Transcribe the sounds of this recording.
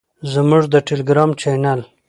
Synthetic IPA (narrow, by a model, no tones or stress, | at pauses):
zəmuʐd̪əʈeliɡɾɑmt͡ʃenal